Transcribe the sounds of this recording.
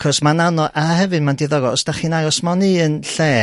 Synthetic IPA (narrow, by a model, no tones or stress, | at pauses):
kʰɔsmananɔʔahɛvɨdmandɪðɔɡɔsd̥aχiːnaɔsmɔniənɬɛː